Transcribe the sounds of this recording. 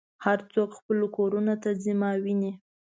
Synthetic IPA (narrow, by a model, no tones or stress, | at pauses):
haɾt͡sokxpəlokoɾunot̪azimɑwini